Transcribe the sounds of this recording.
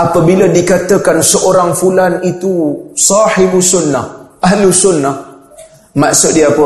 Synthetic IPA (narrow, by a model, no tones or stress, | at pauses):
ʔapəbilədikat̪əkansəʔoɾaŋfulanit̪usɑħɪbusʊnːahʔaɦlusʊnːah | maʔsʊt̪̚diapə